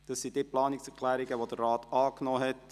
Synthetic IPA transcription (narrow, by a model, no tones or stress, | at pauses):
d̥ɑsːid̥eːplɑːnɪksɛkʰl̥ɛːɾiɡəʋod̥ərːɑːtɑːknɔːɦɛt